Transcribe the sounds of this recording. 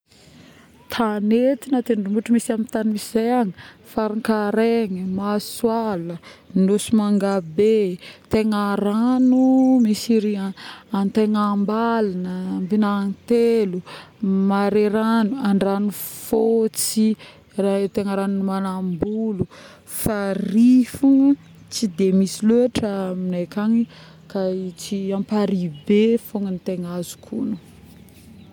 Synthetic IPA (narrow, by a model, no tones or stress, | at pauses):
t̪ʰanet̪inat̪enɖ͡ʐumbuʈ͡ʂumisamint̪animiiz̥ejaŋəfaɾiŋkaɾeŋəmaswalənusumaŋɡabet̪eŋaɾanumisiɾiaant̪eŋambalanəmbinant̪elumaɾeɾanuaɳɖ͡ʐanufot͡si | rat̪eŋəɾanunimanambulu | farifuŋ | t͡sid̪emisiluaʈ͡ʂəminekʲaɲi | kait͡siampaɾibefoŋant̪eŋazu̥kʰṵnu